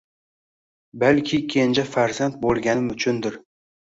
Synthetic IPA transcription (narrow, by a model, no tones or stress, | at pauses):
balkʲʰɪkʲʰe̞nd͡ʒafaɾzant̪̚bolˠɡʲanɪmʊt͡ʃʰʊnd̪ɪɾ